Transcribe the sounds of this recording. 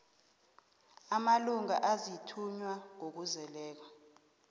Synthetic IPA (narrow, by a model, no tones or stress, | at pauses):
amaluŋa̰ʔazitʰuɲwaŋok̬uzɛlɛːk̬wa